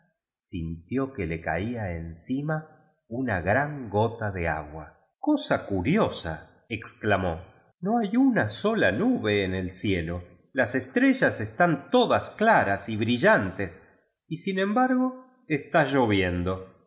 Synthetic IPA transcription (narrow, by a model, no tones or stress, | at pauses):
sint̪jo̞keleka̰iaensima | unaɣɾaŋɡo̞t̪aðea̰ɣwa | kosakuɾjosa̰ | eksklamo̞ | no̞ajunaso̞lanuβe̞ːnelsjelo̞ | lasest̪ɾe̞ʒasest̪ant̪o̞ðasklaɾasiβɾiʒant̪es | isinẽ̞mbaɾɣo̞ | est̪aʒo̞β̞je̞nd̪o̞